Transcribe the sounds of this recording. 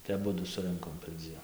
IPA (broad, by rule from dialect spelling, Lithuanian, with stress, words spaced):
tɐɪ ɐˈbʊdʊ sʊˈrɨŋkoːm pʲɛrʲˈd͡zʲiɛn